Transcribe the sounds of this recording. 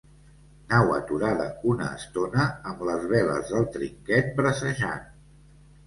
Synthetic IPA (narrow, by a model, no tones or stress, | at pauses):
nawə̰t̪uɾaðəunə̰ːst̪onəːmləzβɛlə̰zðəlˠt̪ɾiŋkɛt̪̚bɾəsəʒan